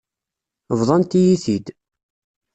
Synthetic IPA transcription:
vðˤɑnt̪ijiθid̪

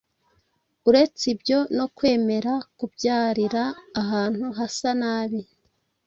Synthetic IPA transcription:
uɾe̞t͡sibjo̞no̞kwe̞ːme̞ɾakubɟaːɾiɾaːɦaːn̥huɦasanaːβi

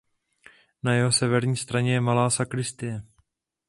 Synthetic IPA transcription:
najɛɦo̞sɛvɛɾɲiːst̪ɾaɲɛjɛmalaːsakɾɪst̪ɪjɛ

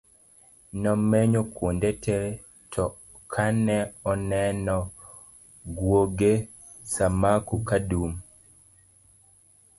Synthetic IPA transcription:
nɔmeɲokwondetʰɛ | tʰɔ | kʰanɛɔnɛnɔ | ɡwoɡe | samakukadum

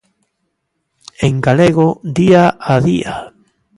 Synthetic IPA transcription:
eŋɡaleɣod̪iaaðḭa̰

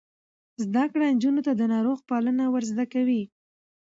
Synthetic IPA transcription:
zd̪akɽand͡ʒunot̪ad̪ənɑɾoɣpalənawəɾzd̪akawi

